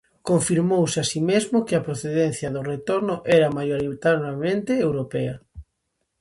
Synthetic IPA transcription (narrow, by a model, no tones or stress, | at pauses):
koɱfiɾmowsɪasimezmʊkeɐpɾoθeðɛn̟θjɐðʊret̪oɾnʊʔɛɾamajoɾit̪anamẽnt̪eewɾopea